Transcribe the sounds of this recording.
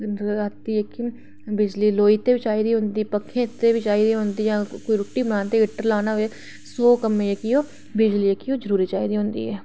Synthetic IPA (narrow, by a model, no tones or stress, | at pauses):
aːt̪iːekɪ | bɪd͡ʒliːloːiːt̪eːʋɪt͡ʃaːiɾiːɦʊ̃nd̪iːpəkʰːẽːt̪eːʋit͡ʃaːiɾiɦʊ̃nd̪iːjãːkoːiɾʊʈːiːbənãːnt̪eɪʈːəɾlaːnaɦeː | sɔːkəmẽjekioː | bɪd͡ʒliːjekiːoːd͡ʒəɾuːɾiːt͡ʃaːiɾiːɦʊ̃ːnd̪ḭːɦɛː